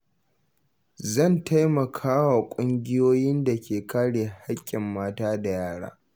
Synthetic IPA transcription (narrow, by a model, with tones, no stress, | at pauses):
zɐ˦˨nta˦jmɐ˨kʰaː˦wa˨kʷʼʊ˦ŋɡʲɪ˦joː˦jɪ˦nda˨kʲʰeː˨kaː˦ɽeː˨hha˦kʲʼːɪ˨mːaː˦taː˦da˨jaː˦ɽa̰ː˦